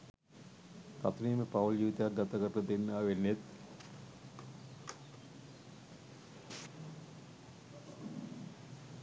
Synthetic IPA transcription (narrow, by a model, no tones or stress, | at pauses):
k̪at̪uniːməpawuld͡ʒiːʋit̪ejak̚ɡat̪aɡəɾəd̪enːaʋenːet̪